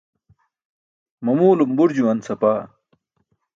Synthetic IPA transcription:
mɐmuːlumbuɾd͡ʑuwɐnsɐpaː

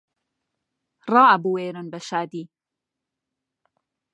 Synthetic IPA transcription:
rɑːʔɐbuweːɾɨnbɐʃaːd̪iː

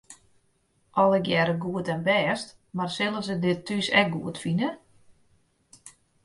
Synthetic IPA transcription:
ʔɔlˠəkjɛɾəɡuətɛnbɛːst | marsɪlˠəsədɪtʰːysɛkɡuətfinə

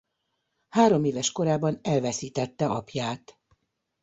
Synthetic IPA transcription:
haːɾo̞meːvɛʃko̞ɾaːbɒnɛlvɛsiːt̪ɛt̪ːɛʔɒpjaːt̪

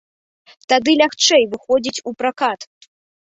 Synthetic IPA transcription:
t̪ad̪ɨlʲaxt͡ʂɛjvɨxɔd͡zʲit͡sʲupɾakat̪

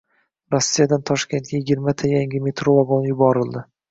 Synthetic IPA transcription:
ɾosːijad̪ant̪ʰɒʃkʲe̞nt̪̚ɡʲajɪɡʲɪɾmat̪ʰajaŋʲɪme̞t̪ɾovaɡonjʊbɒɾɪlˠd̪ɪ

